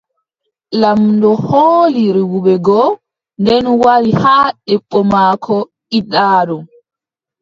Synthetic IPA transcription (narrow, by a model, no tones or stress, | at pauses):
lamdɔhoːliɾiwuɓɛɡɔ | ndɛnwaɾihaːɗɛɓːɔmaːkʰɔ | iɗaːɗɔ